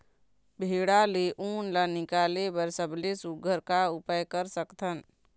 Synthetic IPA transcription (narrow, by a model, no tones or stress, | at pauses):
bʱeːɽaleʔuːnlanɪkaːlebəɾsəblesuɡʱəɾkaʊpəjkəɾsəkt̪ʰən